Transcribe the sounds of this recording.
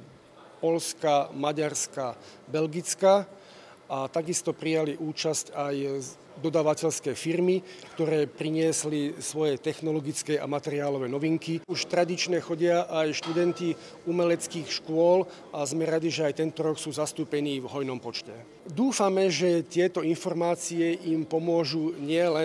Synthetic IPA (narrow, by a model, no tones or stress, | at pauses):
pɔlskamaɟaɾska | bɛlɡit͡ska | ʔat̪aɡist̪ɔpɾijaliʔuːt͡ʃascaj | d̪ɔd̪aːʋacɛlskɛːfiɾmikt̪ɔɾɛːpɾiɲɪɛslisʋɔjɛt̪ɛxnɔlɔɡit͡skɛa̰mat̪ɛɾɪaːlɔʋɛːnɔʋiŋkiuʃt̪ɾad̪it͡ʃɲɛxɔɟɪaʔajʃt̪ud̪ɛnt̪i | umɛlɛt͡skiːxʃkʊɔl | ʔazmɛɾad̪iʒɛajt̪ɛnt̪ɔɾɔksuːzast̪uːpɛniːvɦɔjnɔmpɔt͡ʃcɛ | d̪uːfamɛʒɛt̪ɪɛt̪ɔinfɔɾmaːt͡siɛʔimpɔmʊɔʒuɲɪɛlɛ